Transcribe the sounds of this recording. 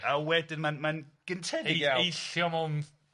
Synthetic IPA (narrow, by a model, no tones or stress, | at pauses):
awɛdɪnmanmanɡ̥əntʰɛdɪɡjaejɬjɔmɔwn